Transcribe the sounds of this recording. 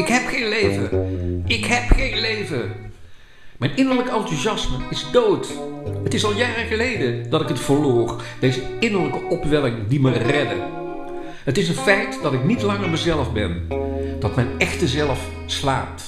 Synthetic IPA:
ɪkɦɛpxejnlejvəɪkɦɛpχejnlejvə | mɛjnɪnəɹləkɑntuzɑsməɪzdowtɦətɪsɑlˠjaːrəχəlejdədɑtɪkɦətfəɹloːrdejzəɪnəɹləkəʔɔpʋɛlɪŋdimərɛdə̰ | ɦətɪsənfɛjtdɑtɪknitlɑŋəɹməzɛləvbɛnd̥ɑtmɛjnɛxtəzɛləf | slaːp̚t

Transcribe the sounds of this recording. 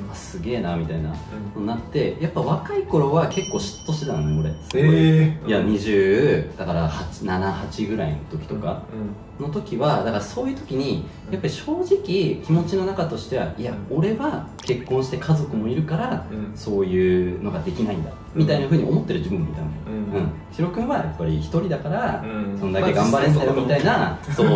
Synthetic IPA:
masɨɡʲe̞ːnamʲit̪ainat̪onat̪ːe̞japːaβ̞akaiko̞ɾo̞βake̞kːo̞ːɕi̥tt̪ːo̞ɕet̪anneoɾe̞ | jaɲ̟iʑɨːd̪̥akaɾahat͡ɕi̥nanahat͡ɕiɡɯ̟ɾainot̪o̞kʲi̥t̪o̞ka̰ | no̞t̪o̞kʲiβad̪akaɾaso̞ːjɯ̟ːt̪o̞kʲiɲ̟i | japːaɾʲiɕo̞ːʑikʲikʲimo̞t͡ɕino̞nakat̪o̞ɕi̥t̪e̞βa̰iao̞ɾe̞βake̞kːõ̞ɰ̃ɕi̥t̪e̞kʰazo̞kɯ̟mo̞iɾɯ̟kaɾaso̞ːjɯːno̞ɡad̪e̞kʲinaĩnd̪a̰ | mʲit̪ainaɸɯ̟ɲ̟io̞mo̞t̪ːe̞ɾɯʑibɯ̟mamit̪ãneɯ̟̃ɴ | çʲiɾo̞kɯ̟̃βajapːaɾʲiçi̥t̪o̞ɾʲid̪akaɾasõ̞nd̪akke̞ɡãmbaɾẽnd̪ajomit̪ainaso̞ː

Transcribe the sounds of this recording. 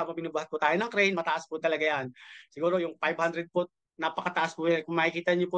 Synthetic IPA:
mɐbɪnuːbuhat̪̚pʊt̪aːjonɐŋkɾɛjnmɐt̪ɐʔaspʊt̪ɐlɐɡajansɪɡuːɾojʊŋfajbhand̪ɾɛd̪̚pʊ | napɐkɐt̪ɐʔaspʊjankʊŋmaːʔɪkiːt̪ɐɲopʊ

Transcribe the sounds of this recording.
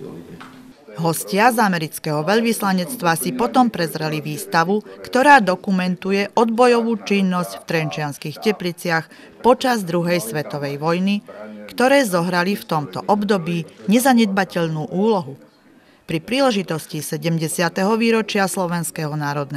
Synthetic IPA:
ɦɔscɪazamɛɾit͡skɛɦɔʋɛʎʋislaɲɛt͡st̪ʋasipɔt̪ɔmpɾɛzɾɛliʋiːst̪aʋukt̪ɔɾaːd̪ɔkumɛnt̪ujɛʔɔd̪bɔjɔʋuːt͡ʃinːɔscft̪ɾɛnt͡ʃɪanskixcɛplit͡sɪax | pɔt͡ʃazd̪ɾuɦɛjsʋɛt̪ɔʋɛjʋɔjnikt̪ɔɾɛːzɔɦɾalift̪ɔmt̪ɔ̰ʔɔbd̪ɔbiːɲɛzaɲɛd̪̚bacɛʎnuːʔuːlɔɦu | pɾipɾiːlɛʒit̪ɔscisɛɟɛmɟɛsɪat̪ɛɦɔʋiːɾɔt͡ʃɪaslɔʋɛnskɛɦɔnaːɾɔd̪nɛ

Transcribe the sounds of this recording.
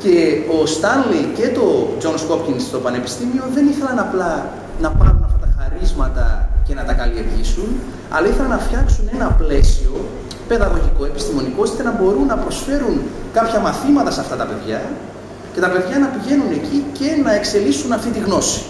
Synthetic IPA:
ce̞o̞st̪ɐnlice̞t̪o̞d͡zo̞nsko̞pcinst̪o̞pɐne̞pi̥st̪imio̞ðe̞niθe̞lɐnɐplɐ | nɐpɐɾunɐft̪ɐt̪ɐxɐɾizmɐt̪ɐ̰ce̞nɐt̪ɐkɐlie̞ɾʝisun | ɐ̰lɐiθe̞lɐnɐfçɐksune̞nɐple̞sio̞ | pe̞ðɐɣo̞ʝiko̞epi̥st̪imo̞nikot̪it̪enɐbo̞ɾunːɐpɾo̞sfe̞ɾunkɐpçɐmɐθimɐt̪ɐseɐft̪ɐt̪ɐpe̞ðʝɐ | ce̞t̪ɐpe̞ðʝɐnɐpiʝe̞nune̞cice̞nɐe̞kse̞lisunɐft̪it̪iɣno̞si̥

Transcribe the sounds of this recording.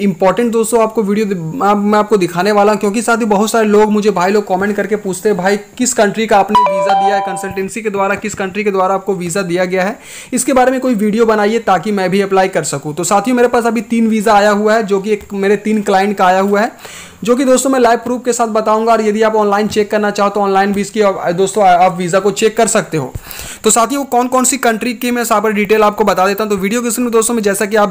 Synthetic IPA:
ɪ̃mpɔːɾʈə̃ɳʈ̚d̪oːst̪õaːp̚koʋiːɖijomɛ̃aːp̚kod̪ɪkʰaːneʋaːlaɦũkjõːk̬isaːt̪ʰiõbɐɦʊt̪saːɾeloːɡmʊd͡ʒʱebʱaːiloːɡ̚kɔːmẽːɳʈ̚kɐɾkepuːt͡ʃʰt̪ẽɦɛ̃bʱaːikɪskɐ̃ɳʈɾikaːpneʋiːzad̪ijaɦɛkɐ̃nsəlʈɛ̃ːnsiked̪waːɾakɪskɐ̃ɳʈɾiked̪waːɾaaːp̚koʋiːzad̪ijaɡɐjaɦɛː | ɪskebaːɾemẽkoːiʋiːɖijobɐnaːiet̪aːkimɛ̃ːbʱiɐplaːikɐɾsɐkũt̪osaːt̪ʰiũmeːɾepaːsɐbʱit̪iːnʋiːzaaːjaɦuaɦɛd͡ʒoːk̬ieːkmeːɾet̪iːnklaːɪ̃ɳʈ̚kaaːjaɦuaɦɛː | d͡ʒoːk̬id̪oːst̪õmɛ̃laːɪʋpɾuːp̚kesaːt̪ʰbɐt̪aːũːŋɡaɔːɾjɐd̪ʱiaːpɔːnlaːɪnt͡ʃeːkːɐɾnat͡ʃaːɦot̪oɔːnlaːɪnbʱiɪskiɔd̪oːst̪õaːpʋiːzakot͡ʃeːkːɐɾsɐk̚t̪eɦo̰ː | t̪osaːt̪ʰijũʋokɔːnkɔːnsikɐ̃ɳʈɾikimɛ̃saːpɐɾɖiːʈeːlaːp̚kobɐt̪aːd̪eːt̪aɦɛ̃t̪oʋiːɖijok̬ɪsɾẽd̪oːst̪õmẽd͡ʒɛːsak̬iaːp

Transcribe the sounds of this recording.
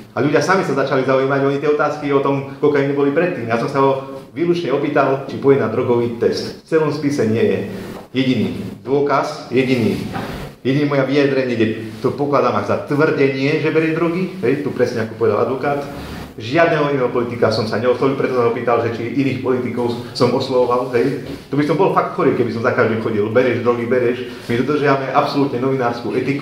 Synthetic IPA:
alʎuɟɪasamisazat͡ʃalizaujiːmaɟɔɲit̪ɪjɛɔt̪aːskiɔt̪ɔmkɔkɛiɲɛbɔlipɾɛt̪ːiːmjasɔmsaɦɔʋiːlut͡ʃɲɛɔpiːt̪alt͡ʃipɔɛnad̪ɾɔɡɔʊit̪ɛst̪ft͡sɛlɔmspisɛɲɪɛjɛjɛɟiniːd̪ʊɔkasjɛɟiniːjɛɟinimɔjaʋijad̪ɾɛɲɪɛɡɟɛt̪ɔpɔklad̪aːmaɡzat̪ʋr̩ɟɛɲɪɛʒɛbɛɾɛʒd̪ɾɔɡiɦɛjt̪upɾɛsɲɛakɔ̥pɔʋɛd̪alʔa̰d̪ʋɔkaːt̪ | ʒɪad̪nɛɦɔinɛɦɔpɔlit̪ikasɔmsaɲɛɔslɔʋilpɾɛt̪ɔsaɦɔpiːt̪alʒɛt͡ʃiʔiniːxpɔlit̪ikɔʊsɔmɔslɔɔʋalɦɛj | t̪ɔbisɔmbɔlfak̚t̪xɔɾiːkɛbisɔmzakaʒd̪imxɔɟilbɛɾɛʒd̪ɾɔɡibɛɾɛʃ | mid̪ɔd̪r̩ʒjaʋamɛʔapsɔlut̪ɲɛnɔʋinaːɾskuʔɛt̪iku

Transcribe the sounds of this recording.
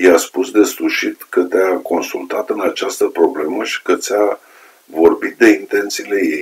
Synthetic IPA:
jaspusd̪e̞sfuʃit̪kət̪eako̞nsult̪at̪ɨnat͡ʃast̪əpɾo̞ble̞məʃi̥kət̪sʲa | vo̞rbit̪̚d̪e̞int̪e̞nt̪siːle̞je̞j

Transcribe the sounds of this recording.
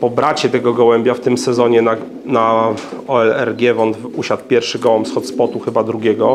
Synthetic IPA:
pɔbɾat͡ɕɛt̪ɛɡɔɡɔwɛmbʲjaft̪ɘmsɛzɔɲɛna | naɔɛlɛ̰ɾɡʲjɛvɔnt̪uɕat̪pʲjɛɾfʂɘɡɔwɔmsxɔt̪spɔt̪uxɘbad̪ɾuɡʲɛɡɔ

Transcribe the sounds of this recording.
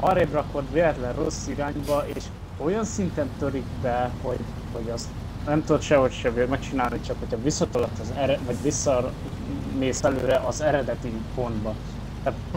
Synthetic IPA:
ɒ̰ɾeːbrɒkot̪ʋeːlɛt̪lɛnro̞sːiɾaːɲbɒeːʃ | o̞jɒnsint̪ɛnt̪ø̞ɾikbɛho̞ɟ | ho̞ɟɒst̪ | nɛmt̪ud̪ot̪ʃɛɦo̞cʃɛvemɛk̚t͡ʃinaːlnikt͡ʃɒkho̞cʰhɒvisːɒt̪olɒt̪ːɒzɛɾɛvɒɟvisːɒ | meːsɛløːɾɛʔɒzɛɾɛd̪ɛt̪ipo̞nd̪bɒ | t̪aːt̪

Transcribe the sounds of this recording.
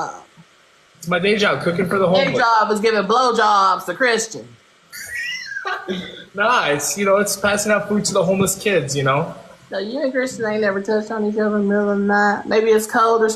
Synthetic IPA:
ɪtsmaɪdeɪd͡ʒɑb̚kʰʊkɪ̃ŋfə˞ðəhõʊẽɪd͡ʒɑbʌzɡɪvɪ̃ŋbloʊd͡ʒɑbz̥tʰɨkʰɹ̥ɪst͡ʃɨ̃n | noʊɪtsjɨnoʊɨtspʰæsɪ̃ŋaʊtfud̚tʰəðəɦõʊ̃mləskʰɪdzjɨnoʊnojʉnɨ̃kɹ̥ɪst͡ʃɨ̃n̩ðeɪnɛvə˞tʰʌt͡ʃtn̩it͡ʃʌðəmɪlˠə̃n̩ðæt̚mʔeɪbiɨtskʰoʊlˠdəs

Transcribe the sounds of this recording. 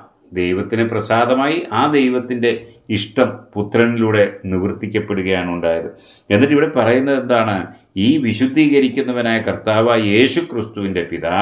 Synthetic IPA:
d̪e̞jʋɐt̪ːineprɐsaːd̪ɐmaːjiʔaːd̪e̞jʋɐt̪ːinde̞iʂʈɐmput̪rɐniluːɽe̞niʋrt̪ːikʲːɐpːe̞ɽuɣɐjaːɳuɳɖaːjɐðɨ | e̞nːitʈːiʋiɽe̞pɐrɐjunːɐðe̞nd̪aːɳɨ | iːʋiɕud̪ʱːiːɣɐɾikʲːunːɐʋɐnaːjɐkɐrt̪aːʋaːje̞ːɕukrist̪uʋinde̞piðaː

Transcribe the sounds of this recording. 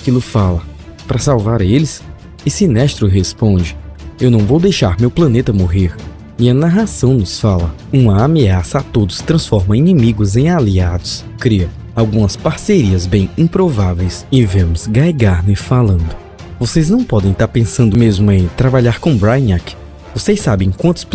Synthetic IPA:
akilʊfalɐ | pɾɐsawvaɾelɪs | esinɛʃt̪ɾʊɦespõd͡ʒɪewnɐ̃w̃vowd̪ejʃaɾmewplɐ̃net̪ɐmoɦeɾ | iɐnaɦasɐ̃w̃nʊsfalɐ | ũmɐameasɐat̪od̪ʊst̪ɾɐ̃sfɔɾmɐĩnĩmiɡʊzẽj̃aliad̪ʊs | kɾiɐ | awɡũmɐspaɾseɾiɐzbẽj̃ĩpɾovavejsɪvẽmʊzɡajɡaɾnʊɪfalɐ̃nd̪ʊ | vosejznɐ̃w̃pɔd̪ẽj̃t̪aɾpẽsɐ̃nd̪ʊmezmʊẽj̃t̪ɾabaʎaɾkõbɾajnak | vosejsːabẽj̃kwɐ̃nt̪ʊ̥sp

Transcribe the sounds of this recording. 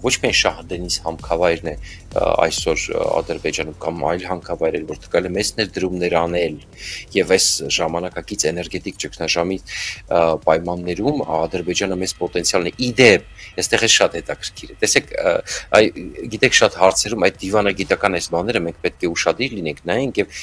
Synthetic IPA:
vɔt͡ʃʰmiɑjnʃɑɦd̪ɛnishɑmkʰɑvɑjɾnɛ | ɑ̰jsɔɾɑ̰d̪əɾbɛd͡ʒɑnumkɑmɑ̰jlɦɑmkʰɑvɑjɾɛɾvɔɾt̪ʰə̥kɑɾɛlɛmɛznɛɾd̪əɾumnɛɾɑnɛl | jɛvɛsʒɑmɑnɑkɑkit͡sʰɛnɛɾɡɛt̪ikt͡ʃəkʰnɑʒɑmi | pɑjmɑnːɛɾumɑd̪əɾbɛd͡ʒɑnəmɛzpɔt̪ɛnt͡sʰjɑlnɛʔid̪ɛp̚ | əst̪ɛʁɛlʃɑt̪hɛt̪ɑkʰəɾkʰiɾɛt̪ɛsɛkʰɑjɡit̪ɛkʰʃɑt̪hɑɾt͡sʰɛɾumɑjd̪̚d̪ivɑnɑɡit̪ɑkɑnɑjsbɑnɛɾəmɛŋkʰpɛt̪̚kʰɛuʃɑd̪iɾlinɛŋkʰnɑjɛŋkʰjɛv

